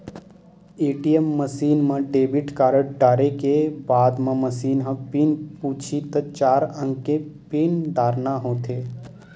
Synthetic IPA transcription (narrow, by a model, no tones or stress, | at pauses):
eːʈijəmːəsiːnmə̃ɖeːbɪʈkaːɾəʈ̚ɖaːɾekebaːd̪mə̃məsiːnɦə̃piːnpuːt͡ʃʰit̪ət͡ʃaːɾə̃ŋkepiːnd̪aːɾnaɦõːt̪ʰeː